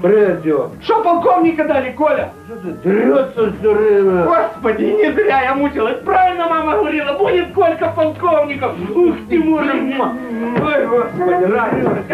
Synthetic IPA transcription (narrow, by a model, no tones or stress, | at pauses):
bɾed̪ʲoʂopɐlˠkovnʲɪkɐd̪alʲɪkolʲɐsot̪d̪rʲot̪səsʲorɨɡospədʲɪnʲɪzɾʲajamut͡ɕʲɪlˠəsʲpɾavʲɪlʲnəmamɐɦəvɐɾʲilˠɐbudʲɪt̪kolʲkəpɐlˠkovnʲɪkəfuxt̪ʲɪmurɨ | ojɡospɐd̪ʲɪao